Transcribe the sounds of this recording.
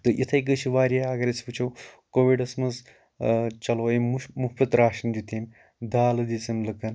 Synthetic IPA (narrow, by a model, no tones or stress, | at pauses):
t̪ɨʔit̪ʰɐjɡət͡ʃʰiʋaːɾʲeɐɡɐɾɐt͡spɨt͡ʃʰowkoːʋiɖɐsmɐz | t͡ʃɐloːimuhpɐt̪ɾaːʃɐnd͡ʒut̪ʰemʲ | d̪aːlɐd̪it͡sɐnlɨkɐn